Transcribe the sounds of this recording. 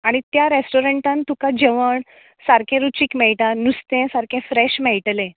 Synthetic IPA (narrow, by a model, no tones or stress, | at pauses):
aɽ̃it̪jaɾesʈoɾeɳʈãnt̪ukad͡ʑeʋəɳ | saɾkʰẽɾut͡ɕiːkmɛɭʈanust̪ẽsaɾkẽfɾɛɕmɛɭʈlẽ